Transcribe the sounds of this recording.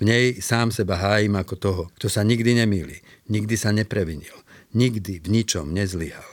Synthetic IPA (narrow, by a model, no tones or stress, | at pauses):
vɲɛjsaːmsɛbaɦaːjimakɔt̪ɔɦɔkt̪ɔsaɲiɡd̪iɲɛmiːlḭː | ɲiɡd̪isaɲɛpɾɛʋiɲilɲiɡd̪ivɲit͡ʃɔmɲɛzliɦa̰l